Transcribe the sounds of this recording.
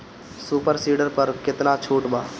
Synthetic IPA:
suːpəɾsiːɖəɾpɐɾkɪt̪nat͡ʃʰuːʈbaː

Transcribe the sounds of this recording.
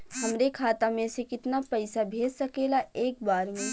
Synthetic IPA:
ɦɐmɾekʰaːt̪amẽsekɪt̪napɐɪsabʱeːd͡ʒsɐkeːlaʔeːk̚baːɾmẽ

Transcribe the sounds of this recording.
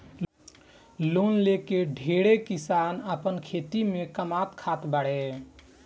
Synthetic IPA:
lonlekeɖʱeɽekisanəpənkʰet̪imekəmat̪kʰat̪bəɽe

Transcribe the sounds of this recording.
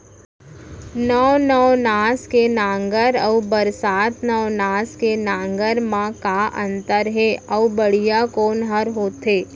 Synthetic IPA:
nɔːnəʋnaːskenãːŋɡəɾəʋbəɾsaːt̪ʰnəʋnaːskenãːŋɡəɾmãkaʔə̃nt̪əɾɦeɐwbəɽijakoːnɦəɾɦoːt̪ɦeː

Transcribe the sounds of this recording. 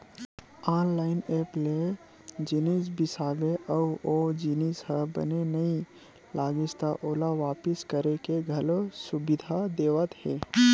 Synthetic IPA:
aːnlaːɪneːple | d͡ʒinis̬bɪsaːbeʔəwod͡ʒinisɦəbə̰nenɐi | laːɡɪst̪aʔoːlaʋaːpɪskəɾekeɡʱɐlosʊbɪd̪ʱad̪eːʋət̪ɦɛː

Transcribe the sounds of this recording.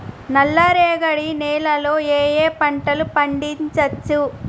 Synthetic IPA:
nɐlːɐɾeːɡɐɽinɛːlɐloːeːjeːpɐɳʈɐlupɐɳɖiɲt͡ʃɐt͡ʃːu

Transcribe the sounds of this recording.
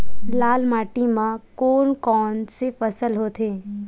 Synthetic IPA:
laːlmaːʈimãkoːnkɔːnsefəsəlɦoːt̪ʰeː

